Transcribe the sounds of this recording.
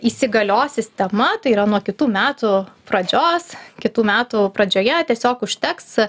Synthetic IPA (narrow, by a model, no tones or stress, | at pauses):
iːsʲɪɡɐlʲoːsʲɪsʲt̪ʲɛmɐt̪ɐɪiːɾɐnuɔkʲɪt̪uːmʲæːt̪upɾɐd͡ʒʲoːskʲɪt̪uːmʲæːt̪upɾɐd͡ʒʲoːjɛt̪ʲiɛsʲoːkʊʃʲt̪ʲɛks